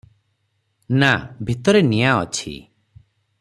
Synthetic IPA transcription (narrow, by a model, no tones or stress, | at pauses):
nabʱit̪ɔɾenijaɔ̰t͡ʃʰḭ